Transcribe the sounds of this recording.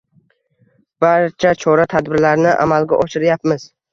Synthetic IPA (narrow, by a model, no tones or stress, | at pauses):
b̥aɾt͡ʃʰat͡ʃʰɒɾat̪ʰad̪bɪɾlaɾnɪʔa̰malɡʲaʔɒʃɪɾjapmɪz